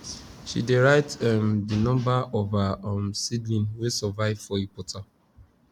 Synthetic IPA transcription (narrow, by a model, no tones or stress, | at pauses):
ʃḭdeɹaɪtmdinɔ̃mbaɔvamsidlĩnwesɔvaɪvfɔepɔtʰa